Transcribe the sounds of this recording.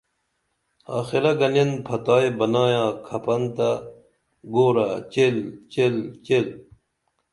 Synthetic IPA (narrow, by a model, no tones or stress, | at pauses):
aːxiɾɐɡɐnenpʰɐt̪aːjbɐnaːjãːkʰɐpɐnt̪a | ɡoːɾat͡ɕelt͡ɕelt͡ɕel